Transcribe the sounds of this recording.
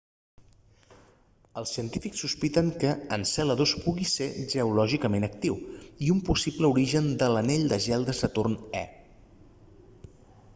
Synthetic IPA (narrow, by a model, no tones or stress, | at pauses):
əlˠsiənt̪ifiksːuspit̪əŋkəənsɛləðospuɣiseʒəulɔʒikəmenək̚t̪iwiumpusipləuɾiʒənd̪ələneʎd̪əʒɛlˠd̪əsət̪urnɛ̰